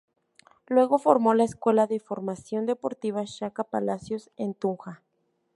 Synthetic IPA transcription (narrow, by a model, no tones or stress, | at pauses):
lwe̞ɣo̞fo̞ɾmo̞laeskwe̞laðefo̞ɾmasjo̞nd̪e̞po̞ɾt̪iβaʃakapa̰lasjo̞sent̪uŋxa